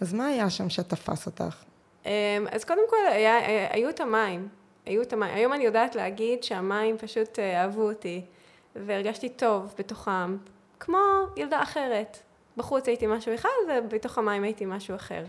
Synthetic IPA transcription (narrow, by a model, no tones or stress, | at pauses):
azmaːjaʃamʃetafa̰sota̰χ | ʔema̰zko̞demko̞lajaaa̰juetamaim | ajuetamajḭmajo̞manijo̞daːtleaɡidʃeamaimpaʃuteaːvuoti | veeʁɡaʃtito̞vbetoχam | kmo̞jeldaːχeʁe̞t | baχut͡sajitimaʃubeχlalvebeto̞χamajimajitimaʃuaχe̞̰ʁ